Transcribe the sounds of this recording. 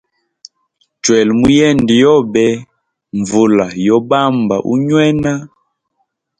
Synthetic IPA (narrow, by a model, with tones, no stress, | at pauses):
t͡ʃwɛ˨lmu˦jɛ˦˨ndi˨jɔ˦bɛ˦ | ɱvu˨la˨jɔ˦ba˦mba̰˨ʔṵ˦ɲwɛ˦na˦